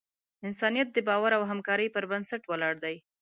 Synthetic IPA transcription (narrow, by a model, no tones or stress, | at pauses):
ɪnsɑnijat̪̚d̪əbɑwaɾawɦamkɑɾəjpəɾbansaʈwəlɑɽd̪aj